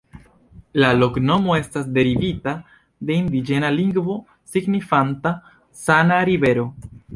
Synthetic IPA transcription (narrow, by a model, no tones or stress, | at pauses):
lalo̞kno̞mo̞e̞stasde̞ɾivita | de̞indid͡ʒe̞naliŋɡvo̞ | siɡnifanta | sanaɾive̞ɾo̞